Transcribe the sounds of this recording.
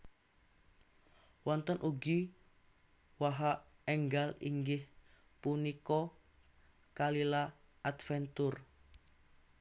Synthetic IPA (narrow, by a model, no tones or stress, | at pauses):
wɔnt̪ənʔuɡi | waɦaɛŋɡalḭŋɡɪh | punikɔ | kalilaːt̪fɛnt̪ur